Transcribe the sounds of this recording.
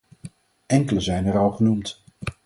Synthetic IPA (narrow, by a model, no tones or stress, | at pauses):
ʔɛŋkələzɛjnɛrɑlˠχənumt